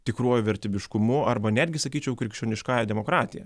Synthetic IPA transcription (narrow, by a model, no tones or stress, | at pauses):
t̪ʲɪkɾuɔjʊʋʲɛɾʲt̪ʲiːbʲɪʃkʊmʊɐrbɐnʲæːd̪ʲɡʲɪsɐkʲiːt͡ʃʲɛʊkɾʲɪkʃʲoːnʲɪʃkɑːjɛd̪ʲɛmoːkɾɑːt̪ʲɪjɛ̰